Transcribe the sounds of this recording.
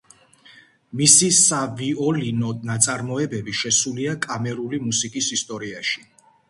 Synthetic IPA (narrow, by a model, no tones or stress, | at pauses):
misisaviɔlinɔnat̪sʼaɾmɔɛbɛbiʃɛsuliakʼamɛɾulimusikʼisist̪ʼɔɾiaʃi̥